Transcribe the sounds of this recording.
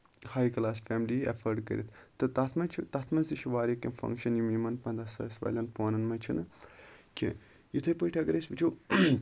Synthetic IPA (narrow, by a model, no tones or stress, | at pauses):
haːjklaːsfeːmliɐ̰fʰɐɾɖkɐ̰ɾʲit̪ʰt̪ːɨt̪ɐt̪ʰmɐt͡ʃʰut̪ɐt̪ʰmɐnsd̪iʃiʋaːɾikɐmfɐ̰̃ŋkʃɐnjimiːmɐnpɐnd̪ɐsɐ̰ːsʋɐ̰ːlʲɐnfoːnɐnmɐt͡ʃʰunɨkʲʰḭ | jit̪ʰɐjpəiʈʰɐɡɐɾɐsʲbit͡ʃʰu